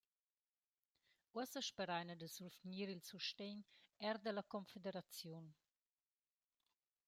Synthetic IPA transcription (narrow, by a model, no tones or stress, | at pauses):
uəsəʃpəɾajnədəsulfniːɾilt͡suʃteːnɛɾdəlakɔnfedeɾat͡sjun